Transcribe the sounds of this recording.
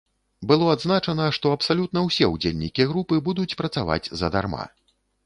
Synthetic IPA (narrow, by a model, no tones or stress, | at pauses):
bɨlˠɔad̪znat͡ʂɐnɐʂt̪ɔɐpsalʲut̪nɐwsʲɛud͡zʲelʲnʲikʲiɣɾupɨbud̪ut͡sʲpɾɐt̪sava̰d͡zʲzɐ̰d̪a̰rma̰